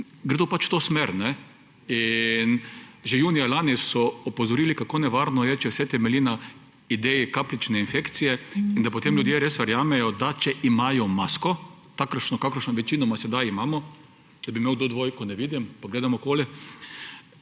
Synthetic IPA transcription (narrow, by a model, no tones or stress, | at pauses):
ɡɾed̪opat͡ʃw̥t̪oːsmeɾnɛ | inʒejuːnijalaːnisɔɔpɔzɔɾiːlikakoːnɛʋaɾnɔjɛt͡ʃɛwsɛt̪ɛmɛliːna | id̪ɛːjikaplit͡ʃnɛinfekt̪sijɛind̪apot̪emljud̪jeɾesʋɛɾjaːmɛjɔd̪at͡ʃɛʔimaːjɔmaskɔ | t̪aːkɾʃnɔkakəɾʃnɔʋɛt͡ʃiːnɔmasɛd̪ajimaːmɔ | d̪̥abimeːwd̪oːd̪ʋojkɔnɛʋiːd̪impaɡleːd̪amɔkoːli